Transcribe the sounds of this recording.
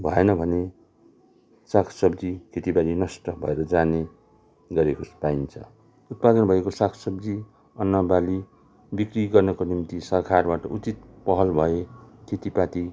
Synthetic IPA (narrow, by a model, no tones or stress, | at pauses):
bʱʌenʌbʱʌne | sakʰsʌbd͡zikʰet̪ibalinʌsʈʌbʱʌ̰eɾʌd͡zane | ɡʌɾekospaint͡sʰʌ̰ | ut̪̚pad̪ʌnbʱʌekosakʰsʌbd͡zi | ʌnːʌbali | bikriɡʌrnʌkonimt̪isʌkʰarbaʈʌʔut͡sit̪̚pʌɦʌlbʱʌekʰet̪ipat̪i